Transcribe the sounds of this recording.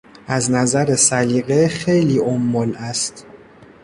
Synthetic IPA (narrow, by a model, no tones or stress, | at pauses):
ʔæznæzæɾe̞sæliːɣexe̞jliːʔomːolæst̪